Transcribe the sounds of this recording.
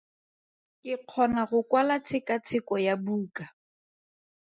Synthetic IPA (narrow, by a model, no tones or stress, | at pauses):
kɪq͡χʰɔnaɣʊkwalat͡sʰɪkat͡sʰɪkɔjabuːka